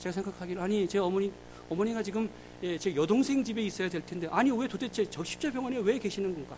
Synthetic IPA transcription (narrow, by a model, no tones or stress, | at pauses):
t͡ɕeɡasʰeŋɡakʰaɡiɾɯaɲit͡ɕeʌmʌɲi | ʌmʌɲiɡat͡ɕiɡɯm | et͡ɕejʌdoŋsʰe̞ŋd͡ʑibe̞is͈ʌjadweɭtʰe̞ndeʔaɲiwe̞todet͡ɕʰet͡ɕʌk̚ɕ͈ʰi̥p̚t͡ɕ͈ʌpjʌŋwʌnewe̞ke̞ɕʰinɯnɡʌnɡa